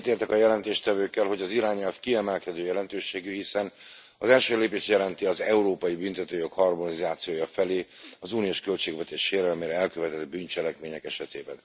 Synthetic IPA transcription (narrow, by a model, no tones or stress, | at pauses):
t̪eːrt̪ɛkɒjɛlɛnt̪eːʃt̪ɛvøːkːɛlɦo̞ɟɒziɾaːɲɛlfkiɛmɛlkɛd̪øːjɛlɛnt̪øːʃeːɡyɦisɛn | ɒzɛlʃøːleːpeːʃt̪jɛlɛnt̪iɒzɛuɾoːpɒjibynt̪ɛt̪øːjo̞khɒrmonizaːt̪sijoːjɒfɛleːɒzuːnioːʃkølt͡ʃeːɡvɛt̪eːʃʃeːɾɛlmeːɾɛɛlkøvɛt̪ɛd̪̚byːnt͡ʃɛlɛkmeːɲɛkɛʃɛt̪eːbɛn